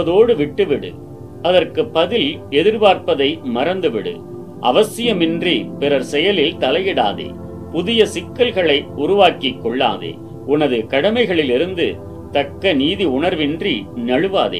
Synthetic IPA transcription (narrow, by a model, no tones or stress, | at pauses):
ɐðoːɽɯʋɪʈːɯʋɪɽɯ̰ | ɐðɐrkɯpːɐðɪlɛðɪɾʋaːɾpɐðɐɪmɐɾɐnd̪ɯʋɪɽɯ̰ | ʔɐ̰ʋɐsɪjɐmɪndripɪɾɐɾsɛjɐlɪlt̪ɐlɐjɪɽa̰ːðḛː | pʊðɪjɐsɪkːɐlɣɐɭɐɪʊɾʊʋaːkɪkːɔɭːa̰ːðḛː | ʊnɐðɯkɐɽɐmɐɪɣɐɭɪlɪɾɯnd̪ɯ | t̪ɐkːɐniːðiʊɳɐɾʋɪndrinɐɻɯʋaːðḛː